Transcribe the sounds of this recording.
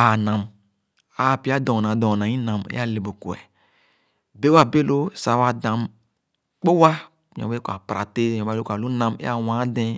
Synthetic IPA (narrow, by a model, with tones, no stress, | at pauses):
a˨nã˨m | a˨pi˦a˦dɔ̃˨nã˨dɔ̃˨nã˨ĩ˦nã˨mḛ˦a˦le˨bo˨ku˨ɛ̰˨ | be˦wa˨be˦lo˦sa˨wa˨dã˨m | k͡po˦wa˦˨ | ɲɔ̰̃˨be˦kʷa˨pɾa˨te˦˨ɔ̃˨ba˦o˦ka˨lu˦nã˦mḛ˦a˦wã˨˦dɛ̃˦